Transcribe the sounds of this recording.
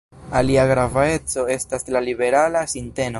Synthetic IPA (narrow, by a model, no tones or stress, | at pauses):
aliaɡɾavae̞t͡so̞e̞staslalibe̞ɾalasinte̞no